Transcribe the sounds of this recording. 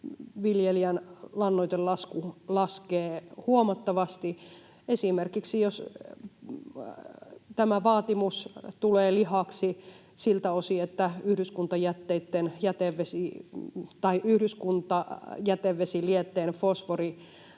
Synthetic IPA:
ʋiljeliænlɑnːoit̪ellɑskulɑskeːhuomɑt̪ːɑʋɑst̪i | esimerkiksijos | t̪æmæʋɑːt̪imust̪uleːlihɑksi | silt̪æosiet̪ːæyhɾyskunt̪ɑjæt̪ːeit̪ːenjæt̪eʋʋesi | t̪ɑiʔyhɾyskunt̪ɑjæt̪eʋʋesiliet̪ːeːnfosʋori

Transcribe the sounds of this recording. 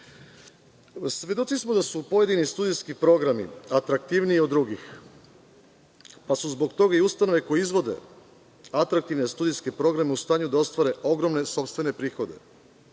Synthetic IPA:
sʋʲje̞d̪o̞t̪sismod̪asupo̞je̞d̪inist̪uːd̪ijskipɾo̞ɡɾamḭat̪ɾak̚t̪iʋniːod̪ːɾuɡix | pasuzbo̞ɡt̪o̞ɡaiust̪ano̞ʋeko̞jeizʋo̞d̪e̞̰ | at̪ɾak̚t̪iʋne̞st̪uːd̪ijskepɾo̞ɡɾameust̪aːɲud̪ao̞st̪ʋaɾe̞ʔo̞ɡɾo̞mne̞so̞pst̪ʋe̞ne̞pɾiːxo̞d̪e̞̰

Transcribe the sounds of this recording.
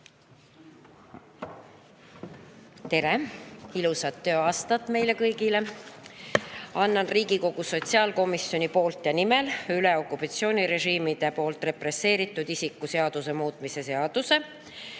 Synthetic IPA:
t̪e̞ɾeilusɑt̪ːø̞ːɑːst̪ɑt̪ːˑme̞jle̞kɤjɡile̞ | ɑnːɑnriːɡ̥iko̞ɡ̥uso̞t̪ʲsiɑːlko̞misːjo̞nʲipo̞ːlt̪jɑnimelyle̞o̞kːˑupɑt̪sio̞ːnʲiɾe̞ʒiːmid̪̥epo̞ːlt̪ˑre̞pre̞se̞ːɾit̪ːˑud̪isikːˑuseɑd̪̥use̞muːt̪ˑmise̞se̞ɑd̪̥use̞

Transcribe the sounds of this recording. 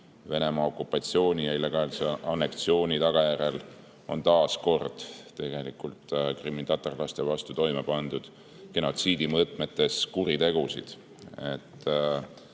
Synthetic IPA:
ve̞ne̞mɑo̞kːˑupːˑɑt̪sio̞ːnʲijɑilːe̞ɡ̥ɑːlseɑnːe̞kt̪sio̞ːnʲit̪ɑɡ̥ɑjæɾe̞l | o̞nt̪ɑːsko̞rd̪̥t̪e̞ɡ̥e̞likult̪kriminɑt̪orlɑst̪e̞vɑst̪ut̪o̞jmepɑnd̪̥ud̪̥ | ke̞no̞t̪siːd̪̥imɤt̪ˑme̞t̪ːe̞skuɾit̪e̞ɡusḭd̪̥ | e̞t̪ː

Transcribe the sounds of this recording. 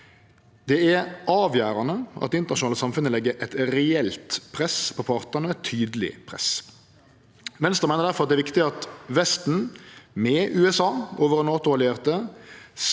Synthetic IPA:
d̪̥ɛæɾʔɑːʋjæːɾɑnəʔɑ̰t̪̚ɛɪnt̪əʁnɑʃʊɑːləsɑmfʉnəlɛɡːəʔɛt̪ɾɛɛlt̪pʰʁɛspʰɔpʰɑʁt̪ənəɛt̪ʰːyːd̪əlɪ̰pʰʁɛ̰s | ʋɛnst̪əʁmæɪnəd̪æɾfɔɾɑt̪d̪ɛːɾʋɪkt̪ɪɑt̪ʋɛst̪n̩mɛʔʉːɛsɑːoːʋəʁnɑːt̪ʊʋɑlɪeːʁt̪əs

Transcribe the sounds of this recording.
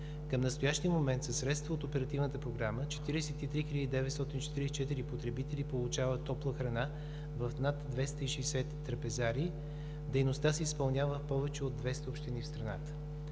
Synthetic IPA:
kəmnəst̪ojaʃt̪iəmomɛnt̪sɐsːɾɛt̪st̪vəot̪opɛɾɐt̪ivnət̪əpɾoɡɾamət͡ʃɛ̥t̪iɾɛsɛt̪it̪ɾixiʎʲəd̪id̪ɛvɛt̪st̪ɔt̪int͡ʃɛ̥t̪iɾɛsɛt͡ʃɛt̪iɾipot̪ɾɛbit̪ɛlʲipolˠʊt͡ʃavət̪ːɔplˠəxɾɐna | vəfnat̪d̪vɛst̪əiʃɛsɛt̪ːɾɐpɛzaɾi | d̪ɛjnost̪asɛispɐlˠnʲjavəfpɔvɛt͡ʃɛod̪vɛst̪əopʃt̪inifst̪ɾɐnat̪ə̥

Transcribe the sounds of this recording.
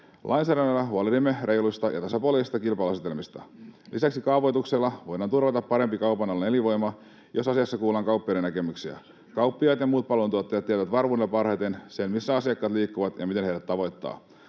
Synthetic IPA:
lʔɑjnsæːɾænːɑlːɑɦuɑliimːerʔe̞jlujst̪ɑjʔɑ̰t̪ɑsɑpoleist̪ɑkilpɑːluɑsit̪elmist̪ɑ̰lʔisæksikɑːʋo̞jt̪ukselːɑʋo̞jdɑnt̪urʋɑt̪ɑpːɑɾempikɑupɑnɑlːene̞liʋo̞jmɑ | jo̞sɑsiɑsːɑkuːlɑŋkɑuwpːiɑɾenæke̞myksiæ̰ | kɑwpːiɑt̪jɑmuːt̪̚pɑlont̪uot̪ːɑjɑt̪ːiæt̪ʋæt̪ʋɑrʋuneepɑrhɑjt̪ensenmisːæɑsiɑkːɑːt̪liːkːuʋɑt̪jɑ̰mit̪enɦejɾæt̪tɑʋo̞jt̪ːɑ̰ː

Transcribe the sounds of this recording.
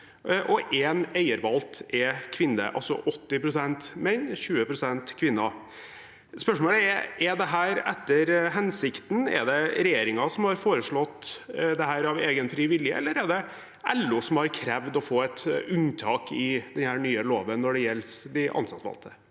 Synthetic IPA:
ʔɔʔɛneɪəɾʋɑlt̪ɛkʰʋɪnːə̰ʔɑ̰lsɔ̰ʔɔt̪ːɪpɾʊsɛnt̪mɛnɕʉːəpʰɾʊsɛnt̪kʰʋɪnːɑ | spœʂmoːləɛʔɛd̪ɛɦæːɾɛt̪ːəɾɦɛnsɪkt̪n̩ɛ̰ɖ̪ɛɾɛjeːɾɪŋɑsɔmhɑɾfoːɾəʂɭɔt̪ːd̪ɛhæːɾɑʋeːɡənfɾiːʋɪljə̰ʔɛ̰lːəɾæɖɛ | ʔɛlːʊsɔmhɑɾkʰɾɛʋd̪ɔfoːɛt̪ʉnt̪ʰɑːkɪd̪ɛnhæːɾnyːəloːʋənːɔɖɛjɛlːsd̪ɪʔɑ̰nsɑt̪ʋɑ̰lt̪ʰə

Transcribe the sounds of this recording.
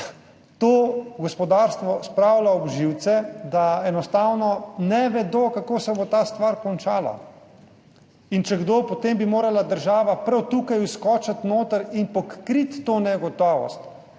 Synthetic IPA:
t̪oːɡɔspɔd̪aːɾst̪ʋɔspɾawlaɔbʒiwt̪sɛd̪aɛnɔst̪aːwnɔnɛʋɛd̪okakoːsɛbot̪aːst̪ʋaːɾkɔnt͡ʃaːla̰ | int͡ʃɛɡd̪opɔt̪embimoːɾalad̪əɾʒaːʋapɾawt̪ukajuskɔːt͡ʃat̪noːt̪əɾinpɔkːɾit̪ːoːnɛɡɔt̪ɔːʋɔ̰st̪

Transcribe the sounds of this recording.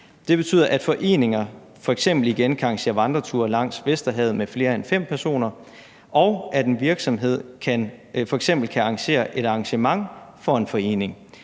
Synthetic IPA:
d̥e̝b̥e̝t͡sʰy̰ðˠɐʔæd̥fɒ̽ʔe̝̰ːne̝ŋɐ | fɒ̽eɡ̥sem̰b̥l̩iɡ̥enkʰæɑ̈ŋɕe̝̰ːɐʋɑ̈nd̥ʁɐt͡sʰṵːɐlɑ̈ŋ̰sʋesd̥ɐɦɛð̞̩ˠmefle̝ːɐenfem̰pʰæɐso̝̰ːnɐ | ʔɒʊæd̥e̝nʋiɐɡ̥sɒ̽mɦe̝ð̞̰ˠkʰænfɒ̽eɡ̥sem̰b̥l̩kʰæɑ̈ŋɕe̝̰ːɐʔe̝ɾɑ̈ːŋɕəmɑ̈ŋfɒ̽e̝nfɒ̽e̝̰ːne̝ŋ

